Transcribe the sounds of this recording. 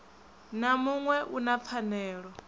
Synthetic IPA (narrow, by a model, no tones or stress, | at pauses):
namuŋwɛʔunap̪fʰanɛːɺɔ